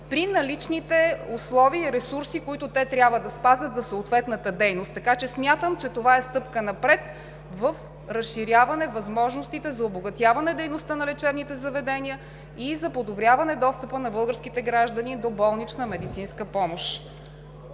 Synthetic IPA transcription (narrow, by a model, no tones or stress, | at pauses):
pɾinɐlit͡ʃnit̪ɛʊslˠɔviːɾɛsuɾsikoit̪ʊt̪ɛt̪ɾʲjabvəd̪ɐspazʲət̪zɐsoːt̪vɛt̪nət̪əd̪ɛjnost̪ːɐkat͡ʃɛsmʲjat̪əmt͡ʃɛt̪ovaɛst̪ɤpkənɐpɾɛt̪ | vəf | ɾəsʃiɾjavɐnɛvɐzmɔʒnost̪it̪ɛzɐoboɡɐt̪javɐnɛd̪ɛjnost̪ənɐlɛt͡ʃɛbnit̪ɛzɐvɛd̪ɛniə | izɐpod̪obɾʲjavɐnɛd̪ɔst̪əpənɐbɤlˠɡəɾskit̪ɛɡɾaʒd̪ənid̪obɔlˠnit͡ʃnəmɛd̪it̪sinskəpɔmoʃ